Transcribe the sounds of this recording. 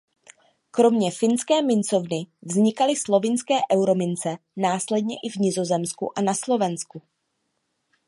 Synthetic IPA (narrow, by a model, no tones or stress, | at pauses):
kɾo̞mɲɛfɪnskɛːmɪnt͡so̞vnɪvzɲɪkalɪslo̞vɪnskɛːʔɛwɾo̞mɪnt͡sɛ | naːslɛd̚ɲɛʔɪvɲɪzo̞zɛmskṵʔanaslo̞vɛnsku